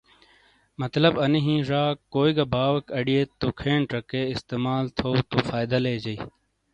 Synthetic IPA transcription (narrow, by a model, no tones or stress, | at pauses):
mɐt̪lɐbɐniɦĩːʐaːkːoːiɡɐbaːwɐkɐɽieːt̪ːokʰẽːɳʈɾɐkeɪst̪eːmaːlt̪ʰowt̪ofaːjd̪ɐleːd͡ʑɐiː